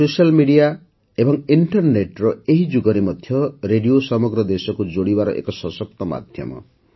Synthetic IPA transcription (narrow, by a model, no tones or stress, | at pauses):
sosalmiɖija | ebɔŋiɳʈɔɾneʈɾɔeɦid͡ʒuɡɔɾimɔd̪ʱjɔɾeɖiosɔmɔɡɾɔd̪esɔkud͡ʒoɽibaɾɔʔḛkɔsɔsɔk̚t̪ɔma̰d̪ʱjɔ̰mɔ̰